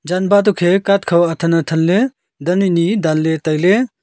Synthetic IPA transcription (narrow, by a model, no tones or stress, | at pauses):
d͡ʒanbat̪̬ukʰekat̪̚kʰɐwɐt̪ʰɐnɐt̪ʰɐnle | d̪ɐninid̪allet̪əjle